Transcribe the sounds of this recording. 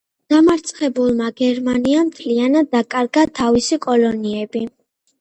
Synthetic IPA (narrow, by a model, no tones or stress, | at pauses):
d̪̥amaɾt̪sʰʼχɛbulˠmaɡɛɾmaniamt̪ʰlianad̪̚ːakʼaɾɡat̪ʰːavisikʼɔlɔniɛbi